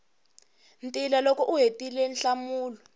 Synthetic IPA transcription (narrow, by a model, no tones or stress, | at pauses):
ntʼilalɔkɔʔuɦetʼilɛnɬamuːlɔ